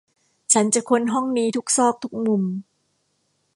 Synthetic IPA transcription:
t͡ɕʰa˦˥nt͡ɕa˨˩kʰo˧nɦɔ˥˩ŋniː˧˥t̪ʰu˦˥k̚sɔː˥˩k̚t̪ʰu˦˥k̚mu˧m

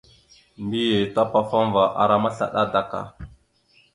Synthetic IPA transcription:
mbi˦je˨ta˦pa˦fa˦mva˨ʔa̰˨ɾa˦ma˦ɬa̰˨ɗa˦da˦ka̰˨

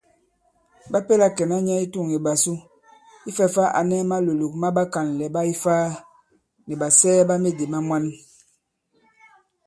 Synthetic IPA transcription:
ba˦pe˦la˦kɛ˨na˦ɲa˦i˦tu˦˨ŋi˨ba˨su˦ | i˦fɛ˦fa˦ʔa̰˨nɛ˦ma˦lo˨lu˨k̚ma˦ba˦ka˨n˨lɛ˨ba˦i˦faː˦ | nɛ˨ba˨sɛː˦ba˦me˦de˨ma˦mwa˦n

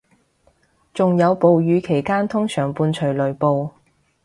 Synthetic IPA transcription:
t͡sʊ˨ŋjɐ˨˧wpo˨wjyː˨˧kʰe˨˩jkaː˥nt̪ʰʊ˥ŋsœː˨˩ŋpuː˧nt͡ʃʰɵ˨˩lɵ˨˩ɥpo˧w

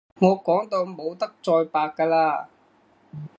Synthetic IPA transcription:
ŋɔː˨˧kɔː˨˥ŋt̪o˧wmo˨˧wt̪ɐ˥k̚t͡sɔː˧jpaː˧kːaː˧laː˧

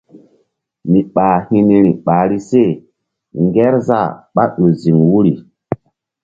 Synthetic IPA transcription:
mi˨ɓaː˨hi˦ne˦ɾi˨ɓaː˨ɾi˦se˦˨ | ŋɡɛ˦ɾza̰˦˨ɓa˦ɗo˨zi˨ŋwu˦ɾi˨

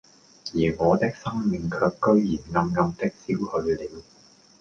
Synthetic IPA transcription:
jiː˨˩ŋɔː˨˧t̪ɪ˥k̚sɐ˥ŋmɪ˨˧ŋkʰœː˧kːɵ˥ɥjiː˨˩nŋɐ˧mŋɐ˧mt̪ɪ˥k̚siː˥whɵ˧ɥliː˨˧w

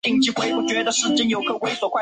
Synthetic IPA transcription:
t̪i˥˧ŋt͡ɕi˥˩kwe˥ɪpu˥˩t͡ɕɥɛ˧˥d̪ə˧ʂɻ̩˥˧t͡ɕi˥ŋjo˧˥ʊkʰɤ˨˩kwe˥˩ɪswɔ˨˩kʰwa˥˩

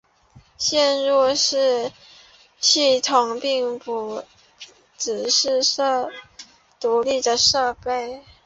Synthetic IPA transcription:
ɕjɛ˥˧nɻu˥˧ʂɻ̩˥˧ | ɕi˥˩t̪ʰʊ˨˩ŋpi˥˩ŋpu˧˩ | t͡sɹ̩˨˩ʂɻ̩˥˧ɤ˥˧ | t̪u˧˥li˥˩d̪ə˩ʂɤ˥˧pe˥˩ɪ

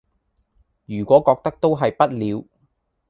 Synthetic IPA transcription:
jyː˨˩kʷɔː˨˥kɔː˧k̚t̪ɐ˥k̚t̪o˥wɦɐ˨jpɐ˥t̚liː˨˧w

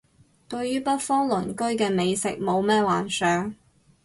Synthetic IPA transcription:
t̪ɵ˧ɥɥyː˥pɐ˥t̚fɔː˥ŋlɵ˨˩nkɵ˥ɥkɛː˧me˨˧jsɪ̰˨k̚mo˨˧wmɛː˥waː˨˩nsœː˨˥ŋ

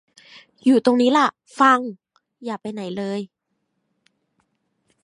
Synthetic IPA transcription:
juː˨˩t̪o˧ŋniː˦˥la˧˩ | fa˧ŋ | jaː˨˩pa˧jna˩˦jlɤː˧j

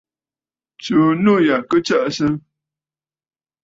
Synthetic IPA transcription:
t͡ʃu˨nu˦ja˨kə˦t͡ʃə˦ʔsə˦

